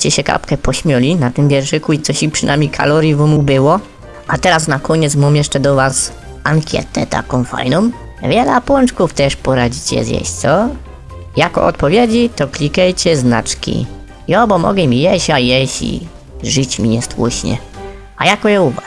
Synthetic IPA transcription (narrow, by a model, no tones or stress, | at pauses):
t͡ɕɛɕɛka̰pkɛpɔɕmʲjɔlʲinat̪ɪmbʲjɛɾʐɘkuit̪sɔɕipʂɨna̰mʲejkʰa̰lɔɾʲjivɔmubɘwɔ | ʔat̪ɛɾasnakɔɲɛt̪smɔmjɛʂt͡ʂɛd̪ɔvas | aŋkʲjɛ̰t̪ɛ̰t̪a̰kɔ̃w̃fa̰jnɔ̃m | vʲjɛlɛpwɔnt͡ʂkuft̪ɛʂpɔɾad͡ʑit͡ɕɛ̰zʲjɛ̰ɕt̪sɔ | jakɔ̰ʔɔ̰t̪̚pɔvʲjed͡ʑit̪ɔklʲikajt͡ɕɛzna̰t͡ʂkʲḭ | iɔbɔmɔ̰ɡɛmʲijɛɕajɛɕḭ | ʐɨt͡ɕmʲiɲɛst̪wṵɕɲɛ̰ | a̰jakɔjɔuva